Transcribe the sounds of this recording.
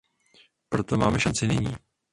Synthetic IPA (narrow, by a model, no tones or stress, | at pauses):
pɾo̞t̪o̞maːmɛʃant͡sɪnɪɲḭː